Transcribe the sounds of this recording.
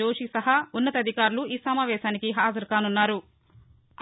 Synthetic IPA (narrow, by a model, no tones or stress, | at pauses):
oːʂisɐɦɐunːɐt̪ɐd̪ʱikaːɾuluiːsɐmaːʋɛːʃaːnikiɦaːd͡ʒɐɾkaːnunːaːɾu